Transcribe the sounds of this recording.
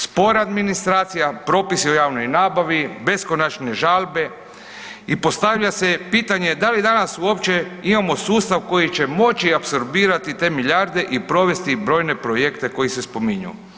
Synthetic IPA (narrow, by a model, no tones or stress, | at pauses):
spo̞ɾaad̪minist̪ɾaːt̪sijapɾo̞ːpisiojaːʋno̞jnaːbaʋibe̞skonat͡ʃne̞ʒalˠbe̞ | ipo̞st̪aʋʎasepiːt̪aɲe̞d̪alid̪anasuo̞pt͡ɕe̞imamo̞suːst̪aʋko̞jit͡ɕe̞mo̞t͡ɕiapso̞ɾbiːɾat̪it̪e̞ːmiljaɾd̪e̞ʔipɾo̞ʋe̞st̪ibɾo̞ːjne̞pɾo̞jekt̪e̞ko̞jisespo̞miɲṵ